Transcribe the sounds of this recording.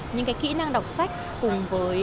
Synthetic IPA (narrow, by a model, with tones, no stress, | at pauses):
ɲɨ̰˧˥ŋkaː˨˦jkḭ˧˥na˧ŋɗə˨˩wk͡p̚sa˦˥jk̟̚ | kʊ˨˩ŋ͡mvəː˨˦j